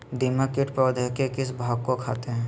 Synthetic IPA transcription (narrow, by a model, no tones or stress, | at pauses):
d̪iməkɪʈpɾəʋd̪ʱəkekɪs̬bʱaːɡ̚kokʰaːt̪eɦɛ̃ː